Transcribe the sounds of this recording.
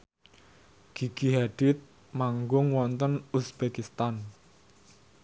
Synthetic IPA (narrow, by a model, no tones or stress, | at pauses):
ɡ̥iɡ̥iɦad̥ɪt̪̚ | maŋɡʊŋwɔnt̪ənusb̥ekist̪an